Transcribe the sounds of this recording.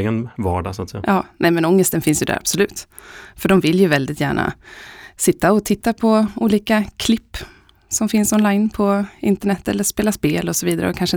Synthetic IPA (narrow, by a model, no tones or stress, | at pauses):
ɡənvɑ̰ːɖɑ̰saːt̪sɛjaʔɑːnʔɛmɛnɔŋːəst̪ənfɪnsjɵd̪æ̰ɾa̰b̥sɔlʉ̟ːt̪ | fœɖɔmvɪljɵvɛld̪ɪt̪jæːɳa̰sɪt̪ːaɔt̪ʰɪt̪ːapʰɔuːliːkakʰlɪpː | sɔmfɪnsɔnlaɪnpʰɔɪnt̪əɳɛt̪ːɛlːəɾʂspeːlaspeːlɔsɔviːd̪aɾə̰ɔkʰanʂə